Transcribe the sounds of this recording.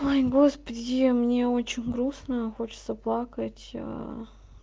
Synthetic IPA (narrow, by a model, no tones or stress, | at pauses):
ojɡo̞spədʲɪmnʲeo̞t͡ɕɪnʲɡɾusnəxo̞t͡ɕɪ̥t̪səplˠakətʲə̰